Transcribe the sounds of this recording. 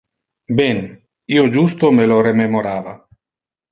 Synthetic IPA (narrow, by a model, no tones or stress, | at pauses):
ben | iod͡ʒust̪omelorememoɾaːva